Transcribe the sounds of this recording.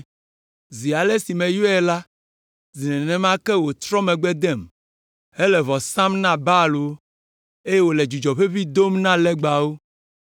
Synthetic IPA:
zi˨a˨le˦si˨mɛ̃˨jo˦ɛ˨la˦ | zi˨nɛ̃˨nɛ̃˨mã˦kɛ˦wo˨t̪ɾɔ˦mɛ̃˨ɡ͡bɛ˦d̪ɛ˦˨m | ɛ˦lɛ˨βɔ˨sã˦mnã˦ba˦lo˨˦ | e˦je˦wo˨lɛ˨d͡ʒu˨d͡ʒɔ˨ɸe˦βi˦d̪o˦mnã˦lɛ˦ɡ͡ba˨wo˦

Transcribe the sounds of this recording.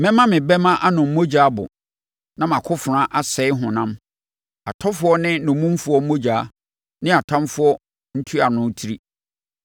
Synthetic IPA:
mɛ̃˦mã˦mɪ̃˨bɛ˦mã˦ʔa˦nʊ̃˨m̩˦mo˦d͡ʑaː˨˦bʊ̰˨ | nã˦mã˨kʰʊ˦fʊ˨ɾã˦ʔa˦sɛ˨˦ɪ˦ɦʊ̃˨nã˦m | a˨tʰɔ˦fʊ˨˦ɔ˦nɪ̃˦nʊ̃˨mũ˦m˦fʊ˨˦ɔ˦m̩˦o˦d͡ʑaː˨˦ | nɪ̃˦a˨tʰã˦mfʊ˦ɔ˦ | n̩˦tʰu˦a˨nʊ̃˦tʰi˦ɾi˦

